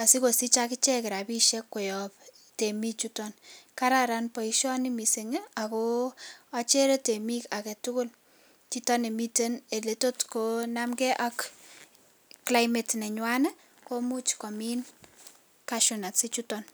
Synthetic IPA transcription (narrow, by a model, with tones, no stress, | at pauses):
a˨si˦ko˨si˦t͡ʃakɪ˦t͡ʃɛ˦kɪ˨ɾa˨piʃekːo˨jɔp̚ | te˨mi˦t͡ʃutɔnka˦ɾaɾanpɔ˨iʃɔ˦ni˦miseŋea˨ko | a˦t͡ʃe˦ɾe˦temikakɛ˨tʊkʊ˦l | t͡ʃitɔ˦ne˨mite˦ne˨leto˦tkonamkɛʔa˦k | kla˦jmetnɛ˨ɲwane˦ | ko˦mu˦t͡ʃkɔ˨min | kaʃunatsi˦t͡ʃutɔn